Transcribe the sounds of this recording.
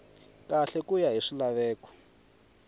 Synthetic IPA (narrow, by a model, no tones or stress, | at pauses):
kaɬɛkujaɦiʂilaβɛːkɔ̥